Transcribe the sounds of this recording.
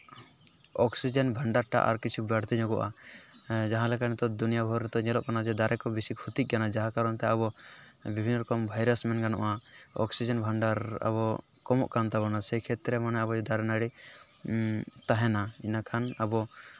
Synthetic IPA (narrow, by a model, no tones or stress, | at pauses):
ɔksid͡ʒɛnbʱaɳɖaɾʈa̰ʔa̰ɾkit͡ʃʰubɛɽt̪ɛɲɔ̃ɡɔʔa̰ | d͡ʒaɦãlɛkanɛt̪ɔd̪unijabʱɔɾɾɛt̪ɔɲɛlɔʔkanad͡ʒɛd̪aɾɛkɔbisikʰut̪ik̚ɡanad͡ʒaɦãkaɾɔnt̪ɛabɔbibʱinːɾɔkɔmbʱajɾasmɛnɡanɔ̰ʔaɔ̰ksid͡ʒɛnbʱaɳɖaɾa̰bɔ | kɔmɔʔkant̪aβɔnasɛkʰɛt̪ɾɛmanɛabɔd͡ʒɛd̪aɾɛnaɽi | t̪aɦɛnainakʰanabɔ